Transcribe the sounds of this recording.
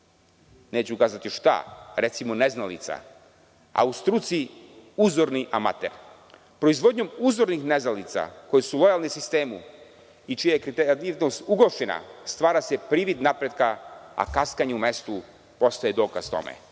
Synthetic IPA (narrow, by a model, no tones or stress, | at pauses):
neːt͡ɕuukaːzat̪iʃt̪a̰ɾe̞t̪simone̞znalḭt̪sa̰ | a̰ust̪ɾut̪siuzo̞ɾniʔama̰t̪ḛɾ | pɾo̞izʋo̞d̪ɲo̞muzo̞ɾnixneznalit̪sa̰ko̞jesulˠo̞jalˠnisist̪e̞ːmu | it͡ʃijajekɾit̪eat̪iʋnost̪uɡloʃena̰st̪ʋaːɾase̞pɾiːʋid̪napɾed̪kaa̰kaskaɲeume̞st̪u | po̞st̪ajed̪o̞ːkazt̪o̞̰mḛ